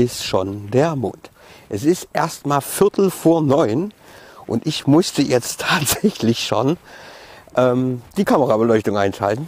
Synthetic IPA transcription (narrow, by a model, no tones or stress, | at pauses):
ɪstʃoːndeːɐmʊnt | ʔɛsɪstʔeːɐstmaːlfɪɐtl̩foːɐnɔʏnʔʊ̰ntʔɪçmʊstəjɛt͡stʰːaːtz̥ɛçlɪçʃoːn | ʔɛːmd̥iːkʰaməʁabəlɔʏçtʊŋʔaɪnʃa̰ltn̩